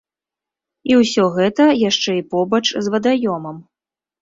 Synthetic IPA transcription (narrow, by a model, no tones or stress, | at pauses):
iwsʲɔɣɛt̪ɐjaʂt͡ʂɛipɔbɐt͡ʂzvɐd̪ajɔmɐm